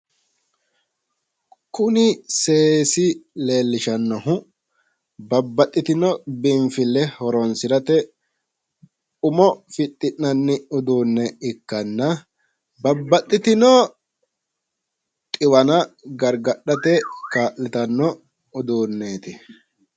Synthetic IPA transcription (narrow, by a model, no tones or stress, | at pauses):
kʊnɪse̞ːsɪle̞ːlːɪʃɐnːɔhʊ | bɐbːɐt̪ʼːɪt̪ɪnɔbɪɱfɪlːɛhɔɾɔnsɪɾɐt̪ɛ | ʊmɔfɪt̪ʼːɪʔnɐnːɪʊd̪uːnːɛɪkːɐnːɐ | bɐbːɐt̪ʼːɪt̪ɪnɔ | t̪ʼɪwɐnɐɡɐɾɡɐɗːɐt̪ɛkaːʔlɪt̪ɐnːɔ | ʊd̪uːnːe̞ːt̪ɪ